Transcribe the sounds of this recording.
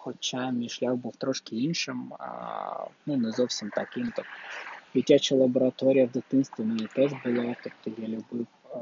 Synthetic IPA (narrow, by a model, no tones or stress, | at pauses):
xɔt͡ʃamʲijʃlʲawbuwt̪ɾɔʃkɪinʃɪm | nunɛzɔwsʲimt̪ɐkɪmt̪ɔk̪dʲitʲat͡ʃɐlˠɐbɔɾɐt̪ɔɾʲijɐʋd̪ɐt̪ɪnst̪ʋʲɪnʊjit̪ɛʐbʊlˠɑt̪ɔpt̪ɔjalʲʊbɪw